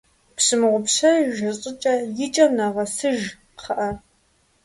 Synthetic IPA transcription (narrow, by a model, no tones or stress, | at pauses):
pɕɨmʁʷʊpɕɐʒɐɕʼɪt͡ʃʼɐjɪt͡ʃʼɐmnɐʁɐsɨʒ | qʰɐʔɐ